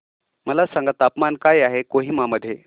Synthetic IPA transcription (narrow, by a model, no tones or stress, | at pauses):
məlasaŋɡat̪apmankajaɦekoɦiːmaməd̪ʱːje